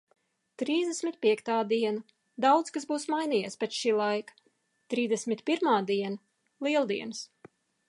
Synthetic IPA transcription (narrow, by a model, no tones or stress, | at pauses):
t̪ɾiːzd̪ʲesʲmʲit̪̚pʲiɛkt̪aːd̪iɛna | d̪awd̪skasbuːsmajniːjeːspʲɛt͡ʃʃiːlˠajkḁ | t̪ɾiːzd̪ʲɛsmʲit̪pʲiɾmaːd̪iɛna | lˠiɛlˠd̪iɛns